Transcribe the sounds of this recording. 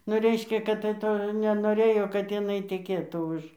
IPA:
nʊ ˈrʲɛɪʃʲkʲɛ kɐt tɐɪ ˈtoː nʲɛnoːˈrʲeːjoː kɐt jɪˈnɐɪ tʲɛˈkʲeːtuː ˈʊʃ

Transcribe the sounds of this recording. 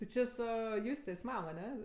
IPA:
tʲɪ ˈt͡ʃʲɪ ˈsʊ ˈjʊsʲtʲeːs ˈmɐm ɐˈnʲɛ

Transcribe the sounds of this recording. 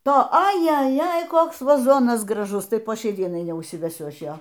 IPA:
ˈtoː ɐjɛˈjɛj ˈkoːks ʋɐˈzoːnɐs ɡrɐˈʒʊs ˈtɐɪ poː ˈʃʲɛɪ ˈdʲiɛnɐɪ nʲɛʊʃʲsʲɪʋʲɛˈsʲʊ ˈɐʃ ˈjoː

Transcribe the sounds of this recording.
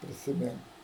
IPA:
pʲrʲɪsʲɪˈmʲɪŋk

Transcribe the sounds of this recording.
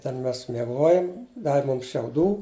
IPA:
tʲɛn ˈmʲɛs mʲiɛˈɡoːjɛm ˈdɑːʋʲɪ ˈmʊms ʃʲɛʊˈduː

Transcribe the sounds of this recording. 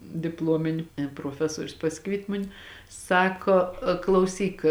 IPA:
dʲɪpˈlˠoːmʲɪnʲɪ proːˈfʲæːsuɔrʲʊs pɐˈsʲɪkʋʲiɛtʲ ˈmʊnʲɪ ˈsɑːkoː klˠɐʊˈsʲiːk

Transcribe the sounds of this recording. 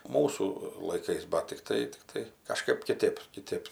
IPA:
ˈmuːsuː lˠɐɪˈkɐɪs bɐ tʲɪkˈtɐɪ tʲɪkˈtɐɪ kɐˈʃkɐɪp kʲɪˈtʲeːp kʲɪˈtʲeːp

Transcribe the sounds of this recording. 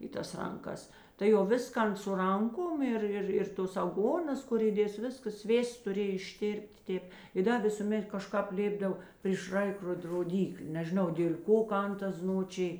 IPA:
ɪ ˈtɐs ˈrɐŋˌkɐs tɐɪ jɛʊ ˈʋʲɪskɐn sʊ ˈrɐŋˌkoːm ˈɪr ˈɪr ɪr ˈtoːs ɐˈɡoːnɐs ˈkʊr iːˈdʲeːs ˈʋʲɪskɐs ˈsʲʋʲeːsts tʊˈrʲeːj ɪʃʲˈtʲeːrʲpʲtʲ ˈtʲeːp ɪ ˈdɐ ˈʋʲɪsuːˌmʲɛt kɐˈʃkɑːp ˈlʲeːbdɐw pʲrʲiːʃ ˈrɐɪkroːt roːˈdʲiːklʲeː nʲɛʒʲɪˈnɐʊ dʲeːlʲ ˈkoː ˈkɐn ˈtɐs ˈznoːt͡ʃʲɪj

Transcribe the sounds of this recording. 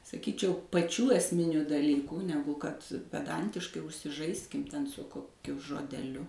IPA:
sɐˈkʲiːt͡ʃʲɛʊ pɐˈt͡ʃʲuː ɛsʲˈmʲɪnʲʊ dɐˈlʲiːkuː ˈnʲæːɡʊ kɐt pʲɛˈdɐnʲtʲɪʃkɐɪ ʊʃʲsʲɪˈʒɐɪsʲkʲɪm ˈtʲɛn sʊ koːˈkʲʊ ʒoːdʲɛˈlʲʊ

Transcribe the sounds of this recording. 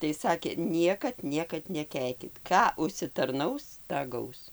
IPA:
tɐɪ ˈsɑːkʲeː ˈnʲiɛkɐt ˈnʲiɛkɐt nʲɛˈkʲɛɪkʲɪt ˈkɑː ʊʃʲsʲɪtɐrˈnɐʊs ˈtɑː ˈɡɐʊs

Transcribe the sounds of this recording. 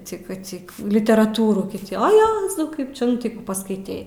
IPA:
ˈt͡sʲɪkɐ ˈt͡sʲɪk lʲɪtʲɛrɐˈtuːruː tʲɪ oː ˈjæːzɐʊ ˈkɐɪp t͡ʃʲɛ ˈnʊ tɐɪ ˈkuː pɐskɐɪˈtʲɛɪ

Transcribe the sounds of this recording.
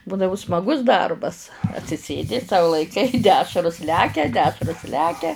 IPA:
ˈbuːdɐʋʊ smɐˈɡʊs ˈdɐrbɐs ɐtʲsʲɪˈsʲeːdʲɪ sɐʊ lˠɐɪˈkɐɪ ˈdʲæːʃrʊs ˈlʲæːkʲɛ ˈdʲæːʃrʊs ˈlʲæːkʲɛ

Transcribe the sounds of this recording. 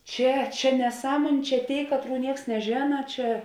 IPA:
ˈt͡ʃʲɛ ˈt͡ʃʲɛ nʲɛˈsɑːmoːnʲeː t͡ʃʲɛ ˈtʲeːɪ ˈkɑːtˌruː ˈnʲiɛks nʲɛˈʒʲeːnɐ ˈt͡ʃʲɛ

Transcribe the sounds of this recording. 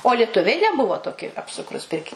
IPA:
oː lʲiɛˈtʊʋʲɛɪ nʲɛˈbʊʋoː ˈtoːkʲɪ ɐpˈsʊkruːs ˈpʲɪrʲkʲɪ

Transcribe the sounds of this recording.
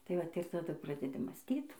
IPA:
tɐɪ ˈʋɐt ɪr tɐˈdʊ ˈprɑːdʲɛdʲɪ mɑːsʲˈtʲiːt

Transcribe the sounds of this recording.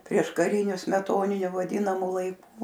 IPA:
pʲrʲiɛʃkɐˈrʲɪnʲʊ sʲmʲɛˈtoːnʲɪnʲʊ ʋɐˈdʲiːnɐmʊ lˠɐɪˈkʊ

